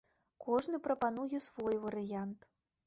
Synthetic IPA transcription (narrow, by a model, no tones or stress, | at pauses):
kʰɔʐnɨpɾɐpan̪ujɛsvɔjvɐɾɨjant̪